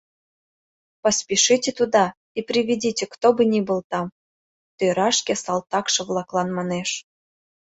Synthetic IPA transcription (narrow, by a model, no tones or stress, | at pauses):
pəspʲiʃitʲet̪ud̪ɑ | iprʲiβʲidʲitʲekt̪obɨnʲibɤlˠt̪ɑm | t̪øɾɑʃkʲesɑlt̪ɑkʃɤ̆vlˠɑklˠɑnmɑneʃ